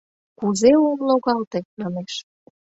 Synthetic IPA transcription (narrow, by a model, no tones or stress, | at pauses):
kuzeomloɣɑlt̪emɑneʃ